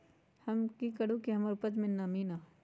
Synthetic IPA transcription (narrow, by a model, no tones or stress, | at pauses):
hɐmkikɐɽukiɦɐmaɾupət̪mẽnɐmina